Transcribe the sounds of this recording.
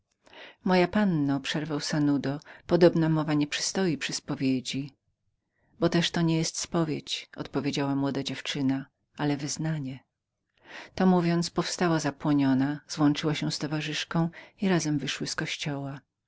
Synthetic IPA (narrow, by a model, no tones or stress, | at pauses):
mɔjapanːɔpʂɛɾvawsanud̪ɔpɔd̪ɔbnamɔvaɲɛpʂɨ̥st̪ɔjipʂɘspɔvʲjed͡ʑi | bɔt̪ɛʂt̪ɔɲɛjɛst̪spɔvʲjet͡ɕɔ̰t̪pɔvʲed͡ʑawamwɔd̪ad͡ʑɛft͡ʂɘna | alɛvɘznaɲɛ | t̪ɔmuvʲjɔnt̪spɔfst̪awazapwɔɲɔnaz̥wɔnt͡ʂɘwaɕɛst̪ɔvaʐɘʂkɔ̃w̃iɾazɛmvɘʂwɘskɔɕt͡ɕɔwa